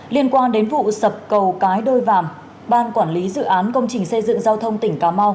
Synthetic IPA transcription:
li˧ənkwaː˧nɗe˨˦nvṵ˧˨sə˨˩p̚kə˨˩wkaː˨˦jɗo˧jvaː˧˨˩m | ɓaː˧nkwaː˧˩nli˨˦zɨ̰˧˨ʔaː˨˦nkə˧wŋ͡mt͡ɕï˨˩ŋ̟sə˧jzɨ̰˧˨ŋzaː˧wt̪ʰə˧wŋ͡mt̪ï˧˩ŋ̟kaː˨˦ma˧w

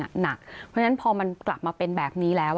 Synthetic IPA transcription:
a̰˨˩na˨˩k̚pʰɾa˥na˦˥npʰɔː˧ma˧nkla˨˩p̚maː˧pe˧nbɛː˨˩p̚niː˦˥lɛː˦˥w

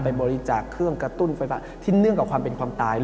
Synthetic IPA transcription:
pa˧jbɔː˧ɾi˦˥t͡ɕaː˨˩kʰːɾɯ˥˩əŋkɾa˧t̪u˥˩nfaː˧jfaː˦˥t̪ʰiː˥˩nɯ˥˩əŋkːa˨˩kʰwaː˧mpe˧nkʰwaː˧mt̪aː˧j

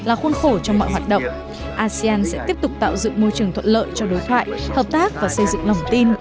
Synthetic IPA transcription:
laː˨˩xwə˧nxo˧˩t͡ɕɔ˧wŋ͡mmɔ̰˧˨jɦwaː˨˩t̚ɗə̰˧˨wŋ͡m | ʔaː˧si˧aː˧nsɛ̰˧˥t̪i˦˥əp̚t̪ʊ˨˩k͡p̚t̪a̰ː˧˨wzɨ̰˧˨ŋmo˧jt͡ɕɨ˨˩əŋt̪ʰə˧˨nlə̰ː˧˨jt͡ɕɔ˧ɗo˨˦jt̪ʰwa̰ː˧˨jhəː˨˩p̚t̪aː˦˥k̚vaː˨˩sə˧jzɨ̰˧˨ŋlə˨˩wŋ͡mt̪i˧n

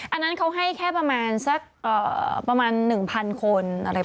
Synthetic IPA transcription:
ʔa˧nːa˦˥nkʰa˦˥wɦa˥˩jkʰɛː˥˩pɾa˧maː˧nsa˦˥˩k̚ʔɤː˨˩pɾa˧maː˧nːɯ˨˩ŋpʰa˧nkʰo˧nʔa˧ɾa˧j

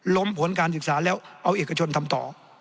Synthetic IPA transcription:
lo˦˥mpʰo˩˦nkaː˧nsɯ˨˩k̚saː˩˦lɛː˦˥wʔa˧wʔeː˨˩ka˧t͡ɕʰo˧nt̪ʰa˧mt̪ɔ̰ː˨˩

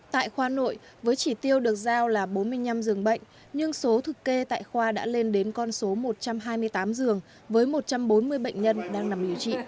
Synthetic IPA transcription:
t̪a̰ː˧˨jxwaː˧no̰˧˨j | vəː˨˦jt͡ɕi˧˩t̪i˧əwɗɨ˨˩ək̚zaː˧wlaː˨˩ɓo˨˦nmɨ˧əjɲa˧mzɨ˨˩əŋɓə̰˧˨jŋ̟ | ɲɨ˧ŋso˨˦t̪ʰɨ˨˩kkːe˧t̪a̰ː˧˨jxwaː˧ɗa̰ː˧˥le˧nɗe˨˦nkɔ˧nso˨˦mo˨˩t̚t͡ɕa˧mɦaː˧jmɨ˧əjt̪aː˨˦mzɨ˨˩əŋ | vəː˨˦jmo˨˩t̚t͡ɕa˧mɓo˨˦nmɨ˧əjɓə̰˧˨jŋ̟ɲə˧nɗaː˧ŋna˨˩mɗi˨˩əwt͡ɕḭ˧˨

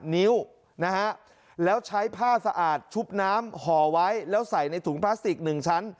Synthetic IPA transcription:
ni˦˥w | na˦˥kʰa˦˥ʔ | lɛː˦˥wt͡ɕʰa˦˥jpʰaː˥˩sa˧ʔaː˨˩t̪̚t͡ɕʰu˦˥p̚naː˦˥mhɔː˩˦wa˦˥jlɛː˦˥wsa˨˩jna˧jt̪ʰuː˩˦ŋpʰlaː˦˥st̪i˨˩k̚nɯ˨˩ŋt͡ɕʰa˦˥n

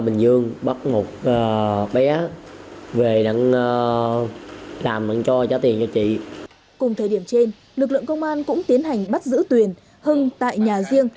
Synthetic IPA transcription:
ɓï˨˩ŋ̟zɨ˧əŋɓə˦˥t̚mo˨˩t̚əː˨˩ɓɛ˨˦ | ve˨˩na̰˧˨ŋː˧ | laː˨˩mna̰˧˥ŋt͡ɕɔ˧zaː˨˦t̪i˨˩ənt͡ɕɔ˧t͡ɕḭ˧˨ | kʊ˨˩ŋ͡mt̪ʰəː˨˩jɗi˧˩əmt͡ɕe˧n | lɨ˨˩k̚lɨ̰˧˨əŋkə˧wŋ͡mʔaː˧nkʊ̰˧˥ŋ͡mt̪i˨˦ənɦa˨˩jŋ̟ɓa˦˥t̚zɨ̰˧˥t̪wi˨˩ən | hɨ˧ŋt̪a̰ː˧˨jɲaː˨˩zi˧əŋ

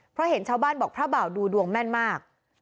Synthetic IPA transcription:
pʰɾɔ˦˥he˩˦nt͡ɕʰaː˦˥˩wbaː˥˩nbɔː˨˩k̚pʰɾaː˥˩ba˨˩wduː˧du˧əŋmɛ˥˩nmaː˥˩k̚

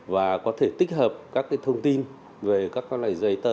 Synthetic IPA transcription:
vaː˨˩kɔ˨˦t̪ʰe˧˩t̪i˦˥k̚həː˨˩p̚kaː˦˥k̚ːaː˨˦jt̪ʰə˧wŋ͡mt̪i˧n | ve˨˩kaː˦˥k̚kɔ˧nla̰ː˧˨˩jzə˧jt̪ə˧˩

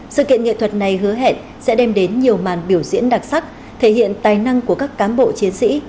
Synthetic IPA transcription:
sɨ̰˧˨kḭ˧˨əŋḛ˧˨t̪ʰə˨˩t̚na˨˩jɦɨ˨˦əɦḛ˧˨n | sɛ̰˧˥ɗɛ˧mɗe˨˦nɲi˨˩əwmaː˨˩nɓi˧˩əwzḭ˧˥ənɗa˨˩t̚sa˦˥k̚ | t̪ʰe˧˩ɦḭ˧˨ənt̪aː˨˩jna˧ŋku˧˩əkaː˦˥kːaː˨˦mɓo̰˧˨t͡ɕi˨˦ənsḭ˧˥

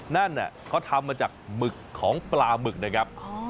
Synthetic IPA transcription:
na˥˩nːi˨˩kʰɔː˥˩t̪ʰa˧mːaː˧t͡ɕaː˨˩k̚mɯ˨˩kʰːɔː˩˦ŋplaː˧mɯ˨˩k̚na˦˥kʰɾa˦˥p̚

